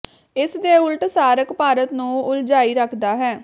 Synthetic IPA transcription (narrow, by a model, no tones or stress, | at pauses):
ɪsd̪eːʊlʈsaːɾəkpaːɾət̪nũːʊld͡ʒaːiːɾəkʰd̪aːɦɛː